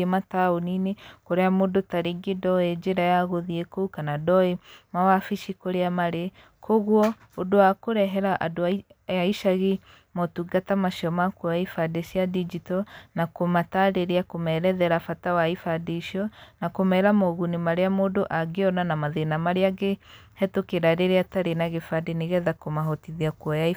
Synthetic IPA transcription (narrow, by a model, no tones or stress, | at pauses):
emataoninekoɾeamoːdotaɾeɡedɔed͡ʒeɾajaɣoðiekoukanadɔemawafiʃikoɾeamaɾe | kʰoɣwɔ | odowakoɾɛɦɛɾaʔado | jaiʃaɣe | motuɡatamaʃiɔmakuaifadesiadid͡ʒitɔnakomatadeɾeakomɛɾɛðɛɾafatawaifadeʃiɔnakomɛɾamoɣunimaɾeamodoʔaɡeɔnanamaðenamaɾeaɡe | hɛtokeɾaɾeɾeataɾenaɣefadeneɣɛðakomaɦotiðiakuɔjai